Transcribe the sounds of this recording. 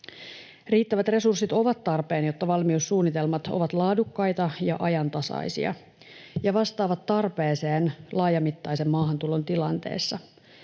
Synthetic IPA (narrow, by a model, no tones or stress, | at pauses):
riːt̪ːæʋæt̪re̞sursːit̪o̞ʋɑt̪ːɑrpe̞ːnjo̞t̪ːɑʋɑlmiusːuːnːit̪e̞lmɑt̪o̰ʋɑt̪lɑːdukːɑjt̪ɑjɑ̰ʔɑjɑnt̪ɑsɑ̰jsḭɑ̰ | jɑʋɑst̪ɑːʋɑt̪ːɑrpeːseːnlɑːjɑmit̪ːɑjse̞mːɑːɦɑnt̪ulo̞nt̪ilɑnt̪e̞̰ːsːɑ